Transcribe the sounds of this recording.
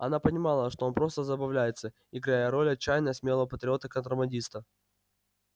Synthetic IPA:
ɐ̰napənʲɪmɑlˠəʂt̪o̞onpɾo̞st̪əzəbɐvlʲæjɪt̪sə | ɪɡɾajəɾo̞lʲɐt͡ɕːæjnəjəsmʲelˠəvəpət̪ɾʲɪo̞t̪əkənt̪ɾəmɐnʲdʲist̪ə

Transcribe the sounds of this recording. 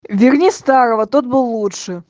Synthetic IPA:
vʲɪrnʲist̪aɾəvət̪ot̪̚bɨlˠːutʂɨ

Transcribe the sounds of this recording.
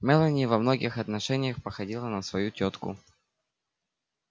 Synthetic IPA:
mʲɛlˠənʲɪəvɐmnoɡʲɪxɐt̪nɐʂɛnʲɪjəxpəxɐdʲilˠənəsvɐjutʲot̪kʊ̰

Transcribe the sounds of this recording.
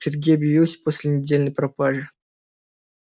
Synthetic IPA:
ɪrʲɡʲiɐbjɪvilˠsʲə̥posʲlʲɪnʲɪdʲelʲnəjpɾɐpaʐɨ

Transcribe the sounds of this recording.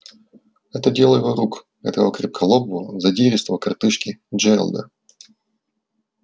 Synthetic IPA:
ɛt̪ədʲelˠəjɪvoɾuk | ɛ̰t̪əvokɾʲɪp̚kʰɐlˠobʊzɐdʲeɾʲɪst̪vəkɐrt̪ɨʂkʲɪd͡ʒɛ̰lˠd̪ə̰

